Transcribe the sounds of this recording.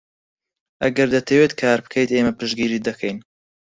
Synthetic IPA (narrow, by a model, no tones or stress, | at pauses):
ʔɐɡɐɾd̪ɐt̪ʰɐwet̪kʰaːɾbɨ̥kʰejt̪eːmɐpɨʃɡiːɾiːd̪ɐkʰejn